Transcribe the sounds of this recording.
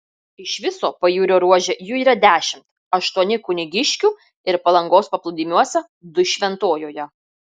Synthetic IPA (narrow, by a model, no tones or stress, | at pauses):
ɪʃʋʲɪsoːpɐjuːɾʲoːɾuɔʒʲɛjuːiːɾɐd̪ʲæːʃʲɪmt̪ | ɐʃt̪uɔnʲɪkʊnʲɪɡʲɪʃʲkʲuː | ɪɾpɐlˠɐŋɡoːspɐplˠʊd̪ʲiːmʲuɔsʲɛ | d̪ʊʃʲʋʲɛnt̪oːjoːjɛ